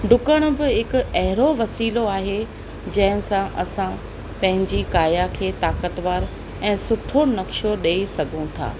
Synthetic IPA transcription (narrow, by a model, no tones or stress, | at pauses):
ɖʊkəɽ̃ʊ̆bɪɦɪkʊ̆ɐɦɪɾoʋɐsiːloaːɦe | d͡ʑɐ̃ɦɪ̃sãʔɐsã | pɐ̃ɦɪ̃ɲd͡ʑikaːjakʰeːt̪aːkət̪ʋaːɾ | ɛ̃ːsʊʈʰonɐkʃoɗeːisɐɡʱũt̪ʰa̰ː